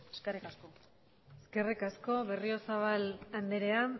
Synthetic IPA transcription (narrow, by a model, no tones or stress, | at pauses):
eskerikasko | eske̞rikasko̞βe̞rio̞saβ̞aland̪eɾe̞a